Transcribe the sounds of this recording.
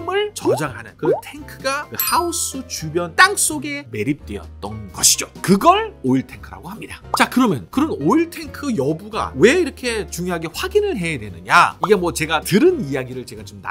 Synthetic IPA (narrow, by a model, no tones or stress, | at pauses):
mɯɭt͡ɕʌd͡ʑaŋɦanɯnkɯtʰe̞ŋkʰɯɡakɯhaus͈ʰut͡ɕubjʌnt͈aŋs͈oɡe̞me̞ɾip̚t͈weʌ̰tt̚t͈ʌnɡʌɕʰid͡ʑokɯɡʌɭoiɭtʰe̞ŋkʰɯɾa̰ɡoɦhamɲidat͡ɕakɯɾʌmjʌnkɯɾʌnoiɭtʰe̞ŋkʰɯjʌbuɡa̰we̞iɾʌkʰe̞t͡ɕuŋjoɦaɡe̞ɸwaɡinɯɭɦe̞jadwe̞nɯɲa̰iɡe̞mwʌt͡ɕe̞ɡatɯɾɯnijaɡiɾɯɭt͡ɕe̞ɡat͡ɕomna̰